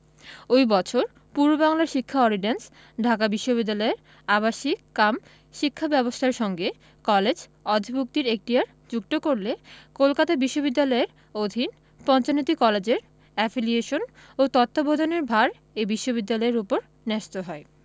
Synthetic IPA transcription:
ojbɔt͡ɕʰoɾ | puɾobaŋlaɾʃikʰːaɔliɖens | ɖʱakabiʃːobid̪ːalɔeɾ | abaʃikkam | ʃikʰːabɛbost̪ʰaɾʃɔŋɡe | kɔled͡ʑɔd̪ʱibuk̚t̪iɾek̚ʈiaɾ | d͡ʑuk̚t̪okoɾlekolkat̪abiʃːobid̪ːalɔeɾ | od̪ʱin | pɔnt͡ɕanot̪ikɔled͡ʑeɾ | ɛfilieʃon | ot̪ɔt̪ʰːobod̪ʱoneɾbʱaɾ | ebiʃːobid̪ːalɔeɾupoɾ | nɛʃt̪oɦɔe

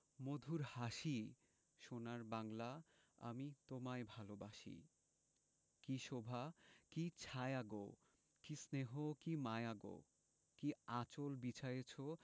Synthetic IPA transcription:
mod̪ʱuɾhaʃi | ʃonaɾbaŋla | a̰mit̪omaebʱalobaʃḭ | kiʃobʱakit͡ɕʰajaɡo̰ | kisneɦokimaeaɡo̰ | kiat͡ɕolbit͡ɕʰajet͡ɕʰo

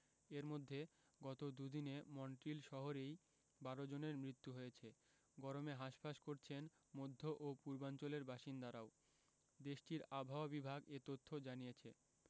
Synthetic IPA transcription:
eɾmod̪ʱːe | ɡɔt̪od̪ud̪inemɔɳʈɾilʃɔɦoɾej | baɾod͡ʑoneɾmɾit̪ːuɦojet͡ɕʰe | ɡɔɾomeɦaʃpaʃkoɾt͡ɕʰen | mod̪ʱːoʔopuɾbant͡ɕoleɾbaʃind̪aɾao | d̪eʃʈiɾabʱaobibʱaɡet̪ot̪ʰːod͡ʑanijet͡ɕʰe

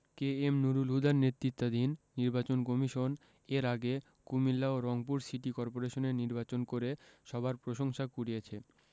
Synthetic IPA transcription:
keemnuɾulɦud̪ʱaɾnet̪ːɾit̪ːad̪inːiɾbat͡ɕonkomiʃon | eɾaɡe | kumilːaoɾɔŋp̬uɾsiʈikɔɾpoɾeʃoneɾniɾbat͡ɕonkoɾeʃɔbʱaɾpɾoʃoŋʃakuɽijet͡ɕʰe

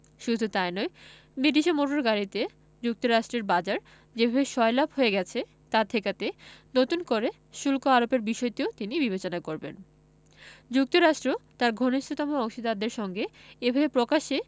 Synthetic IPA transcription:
ʃud̪ʱut̪aenɔe | bɾiʈiʃemoʈoɾɡaɾit̪e | d͡ʑuk̚t̪oɾaʃʈɾeɾbad͡ʑaɾ | d͡ʑebʱabeʃɔelabɦoeɡɛt͡ɕʰe | t̪at̪ʰekat̪enot̪unkoɾe | ʃulkoaɾopeɾbiʃɔjt̪iot̪inibiβet͡ɕonakoɾbḛn | d͡ʑuk̚t̪oɾaʃʈɾot̪aɾɡʱoniʃt̪ʰot̪ɔmoɔŋʃid̪ad̪eɾʃɔŋɡeebʱabepɾokaʃe

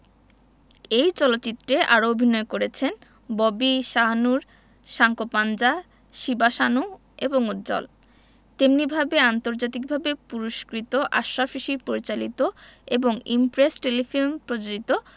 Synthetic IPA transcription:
ejt͡ɕɔlot̪ːt͡ɕit̪ːɾeʔaɾoobʱinɔekoɾet͡ɕʰen | bobiʃaɦanuɾ | ʃaŋkopand͡ʑa | ʃibaʃanu | eboŋud̪d͡ʑɔ̰l | t̪emnibʱabeant̪oɾd͡ʑat̪ik̚bʱabepuɾuʃkɾit̪oʔaʃafiʃiɾpoɾit͡ɕalit̪oeboŋimpɾesʈelifilmpɾod͡ʑod͡ʑit̪o

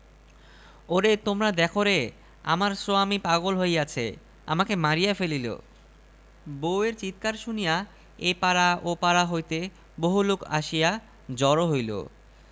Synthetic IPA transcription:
oɾet̪omɾad̪ɛkʰoɾe | a̰maɾsoamipaɡolɦojat͡ɕʰe | a̰makemaɾijafelilo̰ | boweɾt͡ɕit̪kaɾʃunija | epaɾaʔopaɾaɦojt̪e | boɦulokʰa̰ʃija | d͡ʑɔɾoɦojlo̰

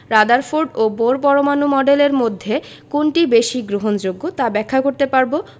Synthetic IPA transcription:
ɾad̪aɾfoɾɖoboɾp̬ɔɾomanumɔɖeleɾmod̪ʱːe | koɳʈibeʃiɡɾoɦond͡ʑoɡːot̪abɛkʰːakoɾt̪epaɾbo

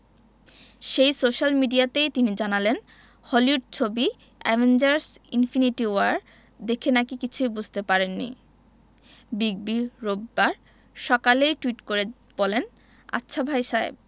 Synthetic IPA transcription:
ʃejsoʃalmiɖiat̪ejt̪inid͡ʑanalen | hɔliuʈ̚t͡ɕʰobi | ɛvʱend͡ʑaɾsinfiniʈiwaɾ | d̪ekʰenakikit͡ɕʰujbud͡ʑʱt̪epaɾenːḭ | biɡ̚biɾobːaɾ | ʃɔkalejʈuiʈkoɾe | b̥olen | a̰tːɕʰabʱajʃaḛb̚

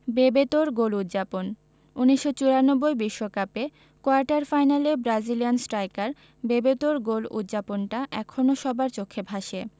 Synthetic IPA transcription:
bebet̪oɾɡolut̪ːd͡ʑapon | uniʃːot͡ɕuɾanobːojbiʃːokape | koaɾʈaɾfajnalebɾad͡ʑilijansʈɾajkaɾ | bebet̪oɾɡolṵt̪ːd͡ʑaponʈaʔɛkʰonoʃɔbaɾt͡ɕokʰːebʱaʃe

